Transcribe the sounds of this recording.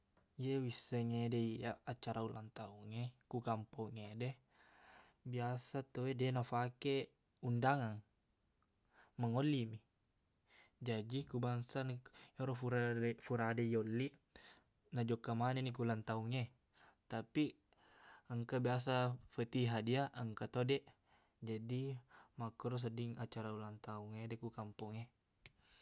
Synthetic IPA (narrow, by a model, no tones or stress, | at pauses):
jewisəŋedɛiaat͡ʃaɾaula̰nt̪auŋekukampɔŋedɛ | biasat̪owedɛnafake | undaŋaŋ | maŋolːimi | d͡ʒadikubaŋsanɔɾɔfuɾafuɾadejolːi | nad͡ʒɔkːamanenikulant̪auŋe | t̪api | əŋkabias̬afət̪iɦadiaʔəŋkat̪odɛʔ | d͡ʒadimakɔɾɔs̬ədiŋat͡ʃaɾaulant̪auŋedɛkukampuŋe